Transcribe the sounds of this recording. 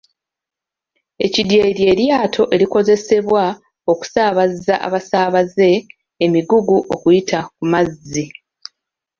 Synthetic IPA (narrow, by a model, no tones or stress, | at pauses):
e̞̰cidje̞ɾje̞ːɾjaːtʰo̞ʔe̞ɾiko̞ze̞se̞βwa | o̞ku̥saːβazaʔa̰βasaːβaze̞ː | miɡuɡuʔo̞kujitʰakumazːi